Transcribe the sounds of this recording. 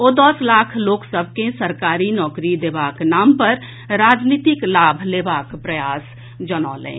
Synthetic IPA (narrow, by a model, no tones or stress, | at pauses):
oːd̪əslaːkʰloːksəbʱkẽsəɾkaːɾinɔːkɾid̪ebaknaːmpəɾ | ɾaːd͡ʒniːt̪ɪklaːbʱlebaːkpɾəjaːs | d͡ʒəna̰ːlḛ̃